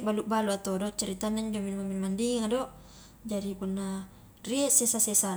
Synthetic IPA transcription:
baluʔbaluat̪odɔʔt͡ʃaɾit̪anaɲd͡ʒominmaminmandiŋadɔʔ | d͡ʒadipunːa | riɛʔsesasɛsa

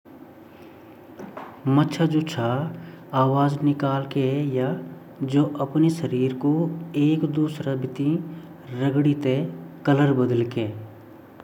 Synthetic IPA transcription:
mɐtːʃʰad͡ʒoːt͡ʃʰa | aːʋaːd͡ʒnɪkaːlkeja | d͡ʒoːʔɐpneʃəɾiːɾkoeːkd̪uːsɾabɪt̪ĩ | ɾəɡɽit̪ekələɾbəd̪əlkeː

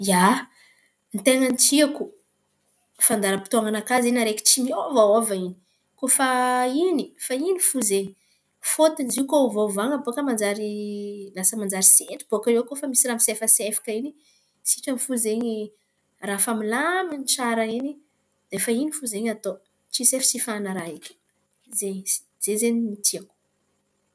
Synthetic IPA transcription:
ja | nt̪eŋant͡siaku | fand̪aɾəpi̥t̪uaŋanakazinaɾeki̥t͡ʃiniovaovaini̥ | kofainifainifuzeɲi | fot̪inziukauvovaŋəboakəmand͡zaɾilasəmand͡zaɾiseɳɖ͡ʐib̥okaɾewkofamisiɾamisefəsefḁkəini | siʈ͡ʂamifuzeɲi | rafamilaminʈ͡ʂaɾəini | d̪̥efainifuzeɲat̪o | t͡sisefi̥sifanaɾaɦekʲi̥ | zeɲsi̥ | z̥ezenimit̪iaku̥

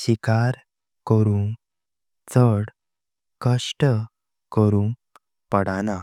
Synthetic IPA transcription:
ɕikaɾ | kəɾuŋ | t͡səɽ | kəʂʈə | kəɾum | pəɽana

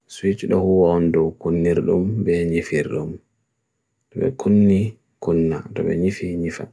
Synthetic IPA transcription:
swit͡ʃɗɔhuwandɔkunːiɾɗṵmbɛɲifiɾɗṵm | dɔbɛ̰kʰunːi | kunːatɔ̰bɛ̰ɲifiɲifa̰

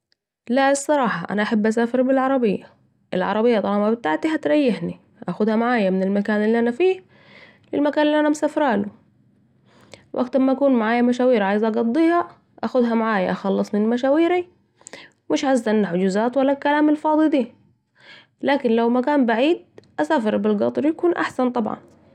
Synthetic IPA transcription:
laɪsˤːɑɾˤɑːħɑʔa̰naʔaħabːʔas̬aːfɪɾbɪlʕɑɾˤɑbɪjːa | ʔɪ̰lʕɑ̰ɾˤɑbɪjːɑt̪ˤɑlɑːmabɪt̪aʕt̪iɦat̪ɾɑjːɪħni | ʔaxʊd̪hamaʕaːjamɪnɪlmakaːnɪlːiʔanafiːh | lɪlmakaːnɪlːiʔanamsafɾaːlʊ | wʔakt̪ɑɾmaʔakuːnmaʕaːjamaʃaːwiːɾʕaːjɪzʔɑɡɑd̪ˤːiːha | ʔaxʊd̪ɦamaʕaːja̰ʔaxɑlːɨsˤmɪnmaʃaːwiːɾi | mɪʃʕazːaʔanːaħʊd͡ʒuzaːt̪walːakalaːmɪlfɑːd̪ˤid̪iː | laːkɪnlawmakaːnbaʕiːd̪̚ʔasaːfɑɾbɪlɡɑ̰t̪ˤɑɾjakuːnʔa̰ħsant̪ˤɑbʕɑ̰n

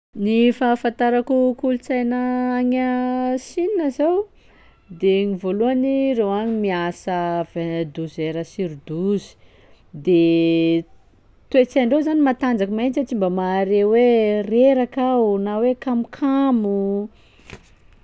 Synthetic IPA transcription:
nifafant̪aɾakukulut͡sajnəaŋasinnəzaw | d̪eŋivoluanirewaɲimiasəved̪uzeɾəsiɾud̪uzi̥ | d̪e | t̪uet͡saɳɖ͡ʐewzanimat̪and͡zakumant͡sat͡simbəmaɾewereɾakawnawekamukʰamu

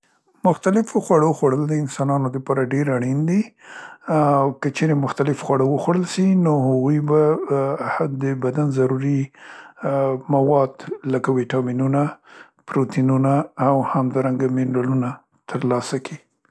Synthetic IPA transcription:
mʊxt̪alɪfoxwaɽoxwaɽəld̪əɪnsɑnɑnod̪əpɑɾaɖeɾaɽind̪i | wkət͡ʃeɾemʊxt̪alɪfxwaɽəwəxwaɽəlʃinohaɣujba | d̪əbad̪anzaɾuɾi | mawɑd̪ləkawiʈɑminuna | pɾot̪inunaːwhamd̪ɑɾaŋɡamɪnɾaluna | t̪ʰəɾlɑsaki

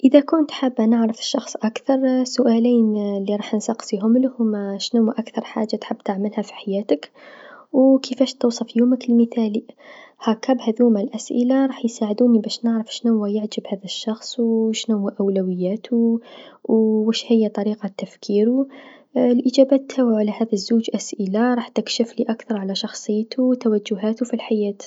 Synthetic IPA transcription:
ʔəðakʊnt̪ħabːænəʕɾəfə̥ʃːɑxsˤʔakθɑɾˤsʊʔæːliːnlːiɾˤɑːħnsɑqsˤiɦʊmlhʊmːaʃnuwaʔakθɑɾˤħa̰ːʒːat̪ħɪbːt̪aʕməlhæfi̥ħajæːt̪əkwkʰəfæʃt̪uwsˤɑfjuməkɪlməθæːlihakabhaðuːmalʔasʔɪlaɾˤɑːħjsaːʕɪd̪uːnibaːʃnɪʕɾɪfʃnʊwːajɪʕd͡ʒɪbhaːðaʃːɑxsˤwʃnʊwːaʔawlawɪjːaːt̪ʰuwwɪʃhɪjːat̪ˤɑɾiːqɑt̪ːafkʰiːɾu | lʔɪd͡ʒaːbaːt̪ʰːawʕalahaːðazːuːd͡ʒʔasʔɪlaɾˤɑːħt̪ɪkʃɪfliʔakθɑɾˤʕalaʃɑxsˤɨjːt̪ʰuwt̪awad͡ʒːʊɦaːt̪ufilħajaːt̪

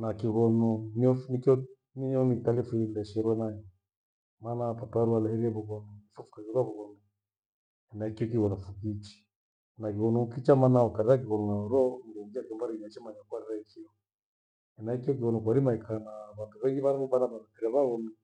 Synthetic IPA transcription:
nakiɣɔnɔniɔnikɔ | niɔnitalɛfindɛʃɛɾwɛnajɔ | manapatuaɾualɛhɛɾiɛβuɣɔnuifufu̥kaɣiɾwaβuɣɔnu | ɛnaikiɔk̬iɣɔnɔfukit͡ʃi̥ | nakiɣɔnuukit͡ʃamanaɔkaɾɛɾak̬iɣɔnunauɾɔndɔŋɡiakɛmbaɾiat͡ʃɛmaɲakwaɾɛɾaikiɔ | ɛnaikiɔk̬iɣɔnɔk̬waɾimaikanaβatuβɛŋɡiβaɾaβɔɓanaβaɾapɛɾaβaɣɔnu

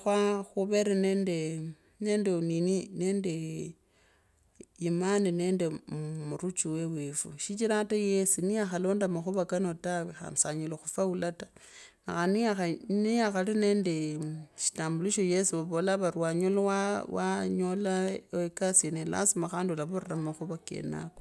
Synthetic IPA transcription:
xwaxuβeɾeneːnde | nendeninineːnde | jimanine̞ːndemuɾut͡ʃuwewefṵʃit͡ʃiɾatajesiniaxalo̞ːndamaxuβakanotawixa̰msaɲuloxufaulatanaxaniaxaniaxaline̞ndeʃi̥taːmbuliʃojesuβaβolaβarwaɲolawawaɲolaekasienela̰simaxaːndulaβuɾeramaxuβakḛna̰ko̥

